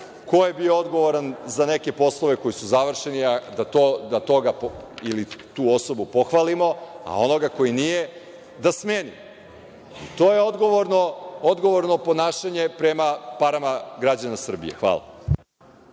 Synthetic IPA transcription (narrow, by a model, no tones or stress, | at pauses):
ko̞jebiood̪ɡo̞ʋoɾanzane̞ke̞po̞slˠo̞ʋe̞ko̞jisuzaʋr̩ʃe̞niad̪at̪od̪at̪o̞ɡapilit̪uːo̞so̞bupo̞xʋalimo̞a̰o̞no̞ɡako̞jinije̞ | d̪asmeːnḭ | it̪oje̞od̪ɡoʋoɾnood̪ɡo̞ʋo̞ɾno̞po̞naːʃaɲe̞pɾe̞mapaɾamaɡɾad͡ʑanasr̩bḭe̞̰xʋa̰ːla̰